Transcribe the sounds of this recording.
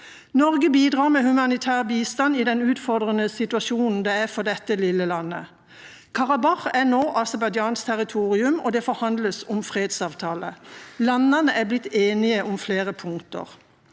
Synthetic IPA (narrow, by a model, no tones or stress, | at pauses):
nɔʁɡəbiːd̪ʁɑːʁmɛhʉmɑnɪt̪ʰæːʁbiːst̪ɑniːd̪ɛnʉːt̪fɔʁd̪ʁənəsɪt̪ʉɑʃuːnn̩d̪ɛæfɔd̪ɛt̪ːəlɪlːəlɑnːə̰ | kʰɑʁɑbɑχænoːʔɑsɛbɑd̪ɑːnst̪ʰæʁɪt̪ʰuːʁɪʉmɔd̪ɛfɔɾhɑnd̪ləsʊmfʁeːd̪sɑːʋt̪ʰɑːləlɑnːɑnəʔæblɪt̪ːeːnɪəʔʊmfleːʁəpʰʊŋt̪ə̰ʁ